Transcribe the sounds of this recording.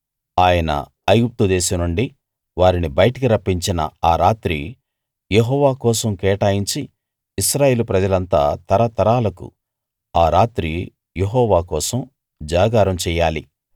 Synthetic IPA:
aːjɐnɐ̰ | ɐjɡup̚t̪ud̪ɛːsɐmnuɳɖi | ʋaːɾinibɐjɐʈɐkiɾɐpːiɲt͡ʃinɐ̰aːɾaːt̪ɾi | jeɦɔːʋaːkɔːsɐmkɛːʈaːjiɲt͡ʃiː | sɾaːje̞ːlupɾɐd͡ʒɐlɐnt̪a̰ːt̪ɐɾɐt̪ɐɾaːlɐkṵ | aːɾaːt̪ɾi | jeɦɔːʋaːkɔːsɐm | d͡ʒaːɡaːɾɐmt͡ʃɛːjaːlḭ

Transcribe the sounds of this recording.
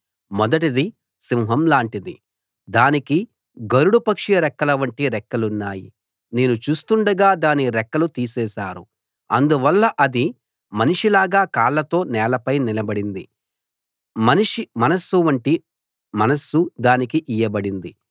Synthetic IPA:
mɔd̪ɐʈid̪i | simɦɐmlaːɳʈid̪i | d̪aːniki | ɡɐɾuɽupɐkʂiɐɾɛkːɐlɐʋɐɳʈiɾɛkːɐlunːaːjḭ | ne̞ːnut͡ʃuːst̪uɳɖɐɡaːd̪aːniɾɛkːɐlut̪iːsɛːʃaːɾu | ɐnd̪uʋɐlːɐʔɐd̪i | mɐniʂilaːɡaːkaːɭːɐt̪o̞ːnɛːlɐpɐjnilɐbɐɽind̪i | mɐniʂimɐnɐsuʋɐɳʈi | mɐnɐsːud̪aːnikiʔijɐbɐɽind̪i

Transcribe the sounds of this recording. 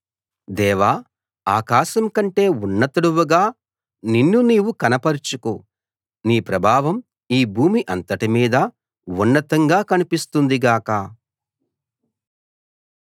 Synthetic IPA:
d̪ɛːʋaː | aːkaːʃɐmkɐɳʈe̞ːunːɐt̪uɽuʋuɡaː | ninːuniːwukɐnɐpɐɾt͡ʃuku | niːpɾɐbʱaːʋɐm | iːbʱuːmiʔɐnt̪ɐʈimiːd̪ɐ | unːɐt̪ɐŋɡaːkɐnipist̪und̪iɡaːkɐ

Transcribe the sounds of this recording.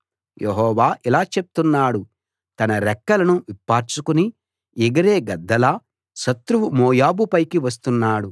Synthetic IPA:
jeɦɔːʋaːʔilaːt͡ʃep̚t̪unːaːɽu | t̪ɐnɐɾɛkːɐlɐnuʋipːaːɾt͡ʃukuni | iɡɐɾeːɡɐd̪ːɐlaː | ʃɐt̪ɾuʋumɔːjaːbupɐjkiʋɐs̬t̪unːaːɽu

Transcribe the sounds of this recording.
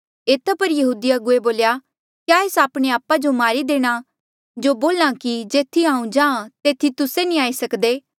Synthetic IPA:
eːt̪ʰapɐɾjɐɦuːd̪iaɡʊeboːlja | kjaːeːsaːpɽ̃eaːpad͡ʒomaːɾid̪eːɽ̃a | d͡ʒoboːlãkid͡ʒeːt̪ʰːiaːũd͡ʒãːt̪eːt̪ʰːit̪ʊsenĩaːisɐkd̪eː

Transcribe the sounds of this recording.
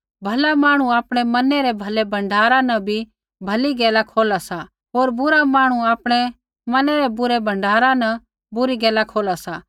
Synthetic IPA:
bʱɐlamaːɽ̃ũaːpɽ̃emɐnɛɾɛbʱɐlebʱɐ̃ɳɖʱaːɾãnɐ̃bʱi | bʱɐliɡɛːlakʰoːlasa | ɦoːɾbʊɾamãːɽ̃uaːpɽ̃ɛ | mɐnɛɾɛbʊɾebʱɐ̃ɳɖʱaːɾãnɐ̃ | bʊɾiɡɛːlakʰoːlasaː

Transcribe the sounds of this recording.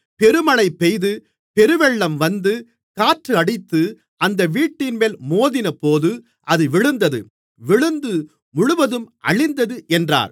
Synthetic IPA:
pɛɾɯmɐɭɐɪpːɛjðɯ | pɛɾɯʋɛɭːɐmʋɐnd̪ɯ | kaːʈrɯɐɽɪt̪ːɯ | ʔɐnd̪ɐʋiːʈːɪnmeːlmoːðɪnɐpoːðɯ | ʔɐðɯʋɪɻɯnd̪ɐðɯ̰ | ʋɪɻɯnd̪ɯ | mʊɻʊʋɐðɯmʔɐ̰ɭɪnd̪ɐðɯʔɛndra̰ːɾ

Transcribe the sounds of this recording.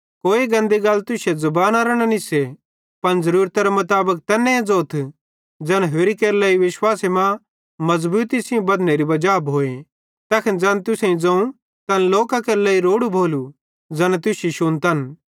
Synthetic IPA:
koːeɡɐ̃nd̪eɡɐlːt̪ʊsezɐbaːnaːɾəɽ̃ɐnise | pɐɽ̃zɐɾuːɾt̪aɾemɐt̪aːbək̚t̪ɛːnːẽẽd͡zoːt̪ʰ | d͡zɐnɦeːɾikeːɾlɛːiʋɪʃwaːsemã | mɐzbuːt̪isɪõbɐd̪neɾibɐd͡ʒaːbɦoːẽ | t̪ɛːkʰɪnd͡zɐnt̪ʊsẽĩd͡zɐ̃ũ | t̪ɐnloːkakeːɾlɐːiɾoːɽubʱoːlu | d͡zɐnt̪ʊsiʃʊnt̪ɐn

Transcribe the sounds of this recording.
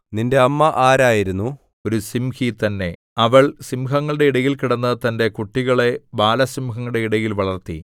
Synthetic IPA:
ninde̞ɐmːɐʔaːɾaːjiɾunːu | o̞ɾusimhit̪ɐnːe̞ | ɐʋɐɭsimɦɐŋːɐɭɽe̞iɽɐjilkiɽɐnːɐt̪ɐnde̞kuʈːiɣɐɭe̞baːlɐsimɦɐŋːɐɽe̞iɽɐjilʋɐɭɐrt̪ḭ

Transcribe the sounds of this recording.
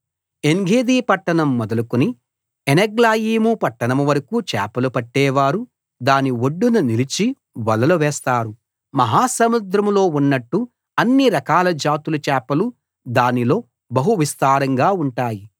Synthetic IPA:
eŋɡʱeːd̪iːpɐʈːɐɳɐmːɔd̪ɐlukuni | eneɡlaːjiːmupɐʈːɐɳɐmʋɐɾɐkuːt͡ʃɛ̰ːpɐlupɐʈːɛːʋaːɾu | d̪aːnioɖːununilit͡ʃi | ʋɐlɐluʋɛːst̪aːɾu | mɐɦaːsɐmud̪ɾɐmlo̞ːunːɐʈːu | ɐnːiɾɐkaːlɐd͡ʒaːt̪ulut͡ʃɛːpɐlu | d̪aːnilo̞ː | bɐɦuʋist̪aːɾɐŋɡaːuɳʈaːji

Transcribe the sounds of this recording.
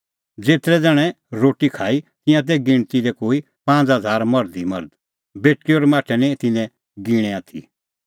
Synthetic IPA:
d͡zeːt̪ɾɛd͡zɛːɽ̃ɛ | ɾoːʈikʰaːit̪ɪ̃jãt̪̬ɛɡɪɽ̃t̪iɾɛkoːi | pãːnd͡zɦɐd͡zʱaːɾmɐɾd̪imɐ̰ɾd̪ | beːʈkiɔɾmaːʈʰɛnɛ̃t̪ɪnɛ̃ | ɡɪɽ̃ɛaːt̪ʰḭ

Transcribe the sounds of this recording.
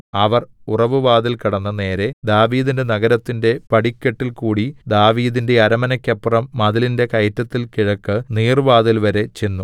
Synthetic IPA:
ɐʋɐrurɐʋɨʋaːðilkiɽɐnːɐne̞ːɾe̞d̪aːʋiːðinde̞nɐɣɐɾɐt̪ːinde̞pɐɽikʲːeʈːilkuːɽid̪aːʋiːðinde̞ɐɾɐmɐnɐkʲːɐpːrɐmːɐðɐlinde̞kɐjtːɐt̪ːilkiɻɐkːɨniːrʋaːðilʋɐɾe̞t͡ɕe̞nːu

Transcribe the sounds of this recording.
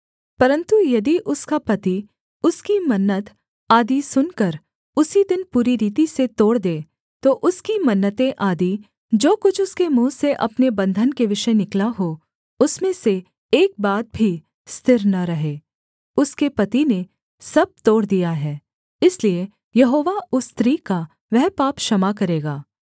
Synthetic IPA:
pɐɾə̃nt̪ujɐd̪iʔʊskapɐt̪i | ʊskimɐnːət̪ | aːd̪isʊnkɐɾ | ʊsid̪ɪnpuːɾiɾiːt̪̬iset̪oːɽd̪ẽː | t̪oʔʊskimɐnːət̪ẽʔaːd̪i | d͡ʒoːkʊt͡ʃʰʊskemũːseʔɐpnebɐ̃nd̪ʱənkeʋɪʃənɪklaɦo | ʊsmẽse | eːk̚baːt̪̚bʱi | st̪ɪɾnɐɾɐɦeː | ʊskepɐt̪ine | sɐb̚t̪oːɽd̪ijaɦɛː | ɪslie | jɐɦoːʋaʊst̪ɾiːka | ʋɛɦpaːpʃɐmakɐɾeːɡaː

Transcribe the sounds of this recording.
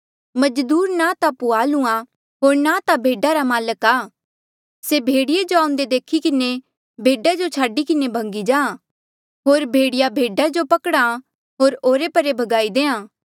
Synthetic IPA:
mɐd͡ʒd̪uːɾnat̪apuaːlũã | ɦoːɾnat̪abʱeːɖaɾamaːləkaː | sebʱeːɽɪjed͡ʒoaːʊ̃nd̪ed̪eːkʰikɪne | bʱeːɖad͡ʒot͡ʃʰaːɖikɪnebʱɐ̃ŋɡid͡ʒãːã | ɦoːɾbʱeːɽɪjabʱeːɖad͡ʒopɐkɽa | ɦoːɾoːɾepɐɾebʱɐɡaːid̪eːãː

